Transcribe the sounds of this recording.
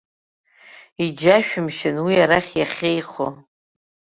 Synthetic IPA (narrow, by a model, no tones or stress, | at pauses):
id͡ʒaʃᶣʊmʃɪnwiaɾaχʲjaχʲejχo